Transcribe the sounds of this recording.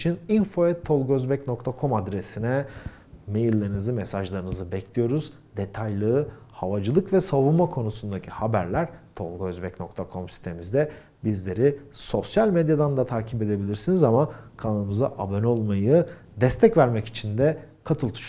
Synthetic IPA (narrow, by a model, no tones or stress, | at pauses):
t͡ʃʰininfo̞ɛt̪ʰːo̞lˠɡøzbɛcno̞kt̪ʰakʰo̞mad̪ɾe̞sinɛ | me̞jilʲːaɾɯnɯzɯmɛsaʒlˠaɾɯnɯzɯbɛcʰlʲijo̞ɾuz | d̪et̪ʰajlˠɯːhavad͡ʒɯlˠɯkvɛsavunmakʰo̞nusund̪acʰihabæɾlʲæɾ̥t̪ʰo̞lˠɡøzbɛcno̞̰kt̪ʰakʰo̞msi̥st̪ʰemizd̪ɛ | bizlʲe̞ɾiso̞sjalʲmed̪jad̪and̪at̪ʰaːcʰibe̞d̪e̞bilʲiɾsinizamakʰanˠɯmɯza̰ʔabonʲo̞lˠmajɯ | d̪ɛst̪ʰɛcvæɾmɛci̥t͡ʃʰind̪ɛ | kʰat̪ʰɯlˠt̪ʰu̥ʃ